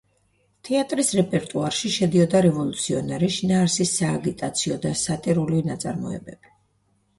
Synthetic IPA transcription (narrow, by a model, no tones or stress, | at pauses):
t̪ʰɛat̪ʼɾisɾɛpʼɛɾt̪ʼuaɾʃiʃɛd̪iɔd̪aɾɛvɔlˠut̪sʰiɔnɛɾiʃinaːɾsisːaːɡit̪ʼat̪sʰiɔd̪asat̪ʼiɾuliinat̪sʼa̰ɾmɔ̰ɛ̰bɛ̰b̥i